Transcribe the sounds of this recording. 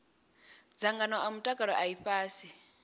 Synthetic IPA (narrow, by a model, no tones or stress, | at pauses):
d͡zaŋɡanɔʔamutʼakʼaɺɔ̰ʔaiɸaːsi